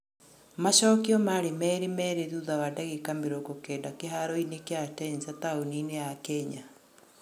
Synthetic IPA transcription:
maɕɔːkiɔmaɾemɛɾemɛɾeðuðawadaɣekameɾokokeːdakeɦaɾɔinekeatɛnsataonineakɛɲa

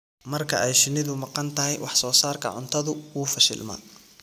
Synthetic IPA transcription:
mɐrkʰɐʔɛjʃɪnɪðʊmɑqɑnt̪ʰɐɦɛjwɑħsɔːsaːrkʰɐ̰ʕʊ̰nt̪ʰɐðʊwuːfɐʃɪ̰lmɐ̰

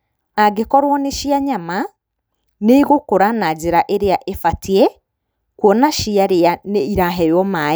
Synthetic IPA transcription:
aɡekɔɾwɔneʃiaɲama | neiɣokoɾanad͡ʑeɾaʔeɾeaʔefatʰiɛ | kwɔnaʃiaɾeaneiɾaɦɛjɔma

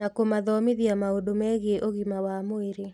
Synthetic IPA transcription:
nakomaðɔmeðiamaodomɛɣeeʔoɣimawamoeɾe

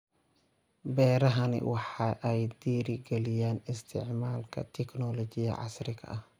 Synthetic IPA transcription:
bɛːɾɐɦɐnɪ̰wɑħɑʔɛjd̪iːɾɪɡɛlɪjaːnɪst̪ʰɪʕmaːlkʰɐ̰t̪ʰɛknɔlɔt͡ʃɪjɐ̰ʕɑ̰srɪɣʰɐ̰ʔɐh

